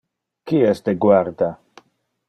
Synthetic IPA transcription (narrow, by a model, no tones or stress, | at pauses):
kiɛsd̪eɡwaɾd̪a